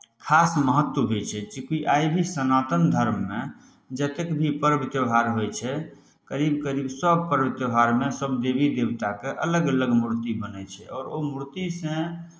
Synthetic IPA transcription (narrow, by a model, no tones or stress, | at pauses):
kʰasməɦət̪wəɦet͡ʃʰɛt͡ʃikuiʔajbʱisənat̪ənd̪ʱəɾmːe | d͡ʒət̪ekbʱipəɾbit̪jəbʱaɾɦojt͡ʃʰɛ | kəɾibkəɾibsəb̚ʱpəɾəbit̪jəbʱaɾmesəbd̪ebid̪ewt̪akeʔələɡələɡmuɾt̪ibənɛt͡ʃʰɛɔːɾomuɾt̪isə̃